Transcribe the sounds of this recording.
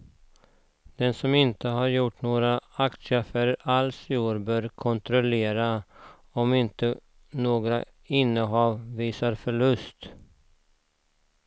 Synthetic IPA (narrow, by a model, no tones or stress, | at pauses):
d̪̥ɛnsɔmɪnt̪əɦaɾjʊʈːnoːɡɾaak̪ʂəafæːɾəɾʔalsɪoːɾbœːɾkʰɔnt̪ɾɔleːɾa | ɔmɪnt̪ə | noːɡɾa | ɪnːəɦɑːvːiːsaɾfœɭɵst̪